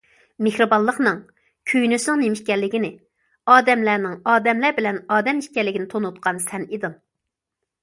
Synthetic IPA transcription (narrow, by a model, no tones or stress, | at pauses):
mehɾɨbɑnlˠːəχnɨŋ | kʲʰøjnysnɨŋnemɪʃkʲɛlːɪkʲɪnɪ | ɑːd̪ɛmlænɪŋɑːd̪ɛmlæɾbɪlɛnɑːd̪ɛmiʃkʲɛlːɪkʲinɪt̪ʰonut̪̚qʰɑnsɛnid̪ɨŋ